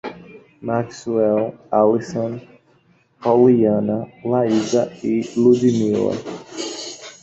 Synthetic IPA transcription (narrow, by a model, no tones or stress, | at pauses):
maksuɛlalisõn | pɔliãnɐlaizailud̪imila̰